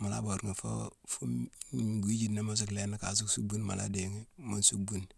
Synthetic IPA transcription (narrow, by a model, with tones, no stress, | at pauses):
ma˨la̰˦bo˨ɾŋi˨fo˦fu˦mɡi˦d͡ʒi˦dne˦ma˦s̬o˦kle˦na˦ka˨s̬u˦ksu˦bu˦nma̰˨la̰˦de˨ŋi˦ma˦nsu˦k̚bu˦n